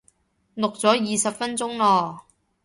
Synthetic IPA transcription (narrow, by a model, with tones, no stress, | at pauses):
nʊ˨k̚t͡sɔː˨˥jiː˨sɐ˨p̚fɐ˥nt͡sʊ˥ŋlɔː˧